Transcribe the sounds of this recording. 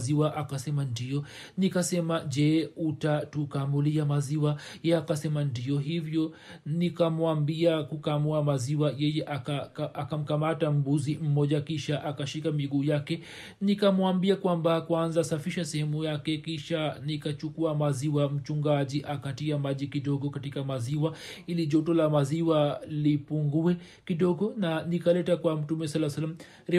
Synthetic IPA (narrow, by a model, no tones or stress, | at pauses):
ziwaʔakasɛmandijɔ | nikasɛmaʄɛutatukamuliamaziwajɛakasɛmandijɔɦivjɔ | nikamwambiakukamuamaziwajɛjɛʔakaakam̩kamatam̩buzim̩mɔʄakiʃaʔakaʃikamiɠuːjakɛ | nikamuambiakwambakwanzasafiʃasɛhɛmujakɛkiʃanikat͡ʃukuamaziwam̩t͡ʃuŋɡaʄiʔakatiamaʄikiɗɔɠɔkatikamaziwa | iliʄɔtɔlamaziwalipuŋɡuɛ | kiɗɔɠɔnanikalɛtakwam̩tumɛsalːasalːam̩ | ɾ